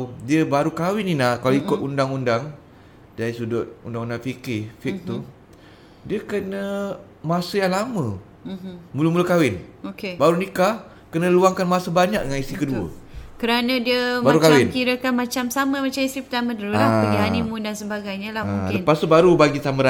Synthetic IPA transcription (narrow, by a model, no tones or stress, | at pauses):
diəbaɾukawɪninakaloikʊt̪̚undaŋundaŋ | daisudʊt̪̚undaŋundaŋfikɪfɪk̚t̪u | diəkənə̃ | masəjaŋlamə̃ | muləmuləkawɪnokebaɾunika | kənə̃luaŋkanmasəbaɲak̚dəŋanist̪ikəduə̰kəɾanə̃diəmbaɾukawaɪnkiɾəkanmat͡ʃamsaməmat͡ʃamist̪ɾipət̪amə̃dəɾulabaɡiɦanĩmudansəbaɡajɲalamulənpast̪ubaɾubaɡit̪ambəɾa